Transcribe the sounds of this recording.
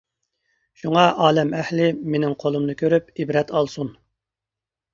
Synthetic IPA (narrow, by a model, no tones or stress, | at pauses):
ʃuŋɑʔɑːlɛmɛhlɪmenɪŋqʰolˠumnɨkʲʰøɾypibɾɛt̪ɑlˠsun